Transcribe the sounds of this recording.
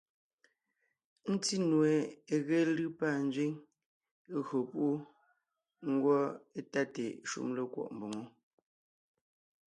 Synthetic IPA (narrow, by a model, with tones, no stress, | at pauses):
n̩˦ti˦nwe˨e˨ɣe˦lɯ˦pa˦˨n̩˦d͡zɥi˦ŋ˦ | ɣɰo˨pu˦ʔu˦ | ŋ̩˦ɡwɔ˦e˦ta˦tḛ˨ʃṵ˦mlə˨kwɔ̰˦˨ʔm˨bo˨ŋo˦